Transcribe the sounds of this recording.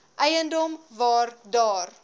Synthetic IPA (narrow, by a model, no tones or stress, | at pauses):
ʔɛjəndɔmvɑːrdɑːr